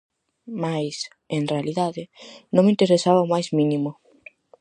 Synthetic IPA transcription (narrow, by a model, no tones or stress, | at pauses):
majs | eŋrealiðaðɪnõŋmint̪eɾesaβaomajzminimo